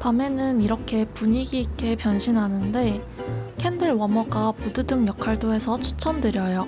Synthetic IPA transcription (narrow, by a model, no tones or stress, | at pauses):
pame̞nɯniɾʌkʰe̞puɲiɡiːk͈e̞pjʌnɕʰinɦanɯnde̞ | kʰendɯɭwʌmʌɡapududɯŋjʌkʰaɭdoɦesʰʌt͡ɕʰu̥t͡ɕʰʌndɯɾjʌjo